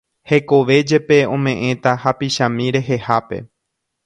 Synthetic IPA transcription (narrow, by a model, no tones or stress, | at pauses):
he̞ko̞ʋe̞d͡ʒe̞pe̞õ̞mẽ̞ʔẽ̞t̪ahapiʃãmĩɾe̞ɦe̞hape̞̰